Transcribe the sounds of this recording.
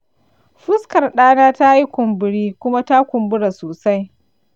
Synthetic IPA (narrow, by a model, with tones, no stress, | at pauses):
ɸʊ˦skɐ˨rɗaː˦naː˦ta˦ji˦kʷʊ˨mbɪ˨ɽiː˦kʷʊ˦ma˦ta˦kʷʊ˨mbʊ˦ɽa˨soː˨sa˦j